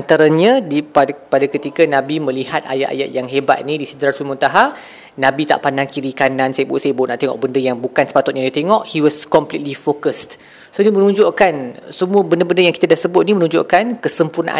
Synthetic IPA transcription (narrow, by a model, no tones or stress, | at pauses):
ant̪aɾaɲãdipapadakət̪ikanãbimə̃lihat̪̚a̰ja̰ʔa̰jaʔ̪̚jaŋɦebat̪̚nĩdisədɾasulmunt̪aɦa | nãbit̪a̰ʔpandaŋkiɾikanãnsajəbuʔ̚sajəbuuʔnaʔt̪eŋɔ̰ʔ̚bəndəjaŋbukansə̥pat̪ʊt̪̚ɲãdiat̪eŋɔʔhiwɔskɔmplit̪̚lifokəst | soinimənũɲd͡ʒoʔkansəmuəbəndəbəndəjaŋkit̪adahsəbʊt̪̚nimənũɲd͡ʒʊ̰ʔkankəsəmpurna̰ʔa̰